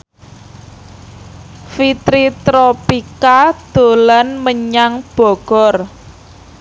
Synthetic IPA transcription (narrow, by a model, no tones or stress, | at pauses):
fit̪ɾit̪ɾopikad̪̥o̤lanməɲaŋb̥ɔ̤ɡ̥ɔr